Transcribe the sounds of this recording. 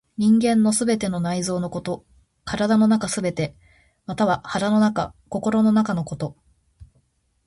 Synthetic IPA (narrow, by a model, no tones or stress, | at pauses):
ɲ̟ĩŋɡẽ̞nːo̞sɨbe̞t̪e̞no̞naizo̞ːno̞ko̞t̪o̞ | kaɾad̪ano̞nakasɨbe̞t̪e̞ | mat̪aβ̞ahaɾano̞nakako̞ko̞ɾo̞no̞nakano̞ko̞t̪o̞